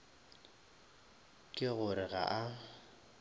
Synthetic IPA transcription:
kʼɪɣʊɾɪɣa̰ʔa

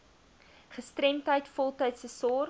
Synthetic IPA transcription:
χəstrɛmtəjtfɔlˠtɐjtsəsɔr

